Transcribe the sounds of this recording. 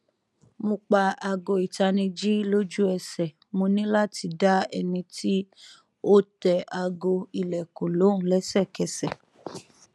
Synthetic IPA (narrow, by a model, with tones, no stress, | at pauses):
mõ˧k͡pa˧a˧ɡo˧i˨ta˧nĩ˧d͡ʒi˦lo˦d͡ʒu˦ɛ˧sɛ˨ | mõ˧nĩ˦la˦ti˧da˦ɛ̰˧nĩ˧tʰi˦ | o˦tɛ˧ʔa˧ɡo˧i˨lɛ˨kõ˨lõ˨˦˨lɛ˨˦sɛ˦˨kɛ˨˧sɛ˨